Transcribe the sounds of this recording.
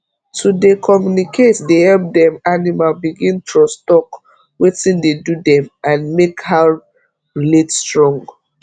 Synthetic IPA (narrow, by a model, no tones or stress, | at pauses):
tʰudekʰɔmjunikʰetdehɛlp̚dɛ̃manimalbiɡĩntʰostɔk | wetĩndedudɛ̃mãnmekha | ɹiletstɹɔ̃ŋɡ